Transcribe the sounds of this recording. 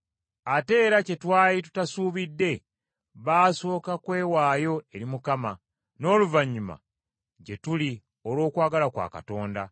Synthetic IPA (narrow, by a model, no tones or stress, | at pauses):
ate̞ːɾace̞twaːjitu̥tasuːβidːe̞ | βaːso̞ːkakwe̞ːwaːjo̞e̞ɾimukama | no̞ːluvaɲːuma̰ | ɟe̞tuli | olwo̞ːkwaːɡalakwa̰ːka̰to̞ːnda